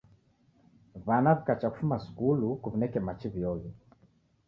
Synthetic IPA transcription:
βanaβikat͡ʃaku̥fumasu̥kulukuvinɛkɛmat͡ʃiβjɔvi

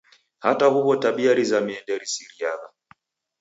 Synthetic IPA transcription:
ha̰tahuβɔtaɓiaɾizamiɛndɛɾisiɾiaða

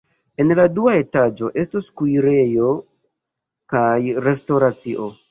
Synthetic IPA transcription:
e̞nladuae̞tad͡ʒo̞ʔe̞stoskujɾe̞jo̞ | kajɾe̞stoɾat͡siʔo̞

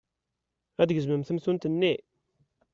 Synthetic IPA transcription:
æd̪ɡəzməmθəmθunt̪ənːe

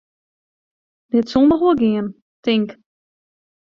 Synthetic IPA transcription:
dɪtsɔndəxʋolɡɪən | tɪŋk

